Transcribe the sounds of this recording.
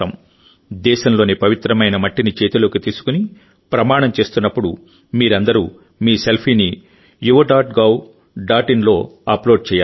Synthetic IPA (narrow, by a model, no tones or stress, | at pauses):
ɐm | d̪ɛːʃɐmlo̞ːnipɐʋit̪ɾɐmɐjnɐmɐʈːinit͡ʃe̞ːt̪uloːkit̪iːsu̥kuni | pɾɐmaːɳɐmt͡ʃe̞ːst̪unːɐpːuɽu | miːɾɐnd̪ɐɾuː | miːselpʰiːni | juʋɐɖaːʈɡɐːw | ɖaːʈinlo̞ːɐplo̞ːɖ̚t͡ʃɛːjaː